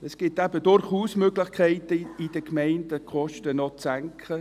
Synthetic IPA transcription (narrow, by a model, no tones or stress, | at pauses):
ɛsɡ̥ɪtæbədʊɾχuːsmøɡlɪχkʰɛɪtəid̥əkmæɪndəkʰɔʃtənɔt͡sæŋkʰχə